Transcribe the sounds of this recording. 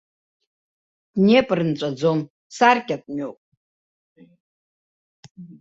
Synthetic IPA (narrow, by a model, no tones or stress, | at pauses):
d̥ne̞pʼrɨnt͡ʃʷʼad͡zo̞n | sarkʲʼatʼmopʼ